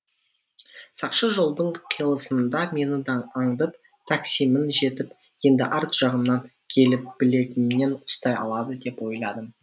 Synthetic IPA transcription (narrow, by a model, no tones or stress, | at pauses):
sɑqʃəʒo̞lˠd̪əɴqʰijəlˠəsənd̪ɑme̞nɪd̪ɑnɑɴd̪əp̚ | t̪ʰaksimənʒe̞t̪ɪpje̞nd̪ɪʔɑɾt̪ʒ̥ɑʁəmnɑŋ | kʲʰe̞lɪp̚b̥ɪle̞t̪ɪmne̞nʊst̪ɑjɑ̰lˠɑd̪əd̪e̞pwo̞jlˠɑd̪ə